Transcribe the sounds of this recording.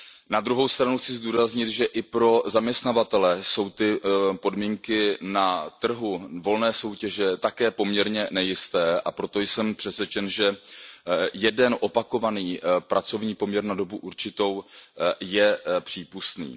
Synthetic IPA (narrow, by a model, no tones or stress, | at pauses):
nad̪ɾuɦo̞wst̪ɾanuxt͡sɪzduːɾazɲɪt̪ʒɛʔɪpɾo̞zamɲɛst̪navat̪ɛlɛso̞wt̪ɪpo̞dmiːŋkɪnat̪r̩ɦuvo̞lnɛːso̞wcɛʒɛt̪akɛːpo̞mɲɛɾɲɛnɛjɪst̪ɛːʔa̰pɾo̞t̪o̞jsɛmpr̥ɛsvjɛt͡ʃɛnʒɛ | jɛdɛnʔo̞pako̞vaniːpɾat͡so̞vɲiːpo̞mɲɛɾnado̞buʔuɾt͡ʃɪt̪o̞wjɛpr̝̥iːpust̪nḭː